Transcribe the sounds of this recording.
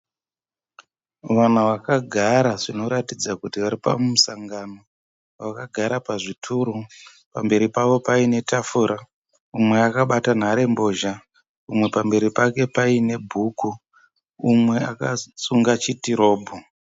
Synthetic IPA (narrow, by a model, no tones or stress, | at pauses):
ʋan̤uʋakaɡʱaɾaʐino̞ɾatid͡zakutiʋaɾipa̰mmusaŋɡano̞ | ʋakaɡʱaɾapaʐitʰuɾu | pambe̞ɾipaʋo̞paine̞tafuɾa | umwe̞akaɓatan̤aɾe̞mbo̞ʒa | umwe̞pambe̞ɾipake̞paine̞bʱuku | umwe̞akasuŋɡat͡ʃitiɾo̞ːbʱo